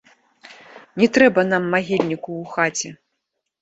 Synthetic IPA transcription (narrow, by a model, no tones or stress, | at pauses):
nʲɛt̪ɾɛbɐnamːaɣʲilʲnʲikuːxat͡sʲɛ